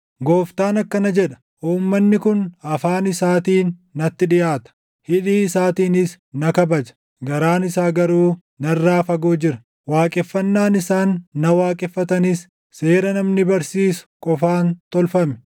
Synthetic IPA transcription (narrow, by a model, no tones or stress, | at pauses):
ɡo̞ːft̪aːnɐkːɐnɐd͡ʒɛᶑɐ̥ | ʔuːmːɐnːɪkʊnɐfaːnɪsaːt̪iːnːɐt̪ːɪᶑɪjʔaːt̪ɐ̥ | hɪᶑiːɪsaːt̪iːnɪs | nɐkɐbɐd͡ʒɐ̥ | ɡɐɾaːnɪsaːɡɐɾuː | nɐrːaːfɐɡoːd͡ʒɪɾɐ | waːkʼɛfːɐnːaːnɪsaːnːɐwaːkʼɛfːɐt̪ɐnɪsː | e̞ːɾɐnɐmnɪbɐɾsiːsʊ̥kʼɔfaːnt̪ɔlfɐmɛ̥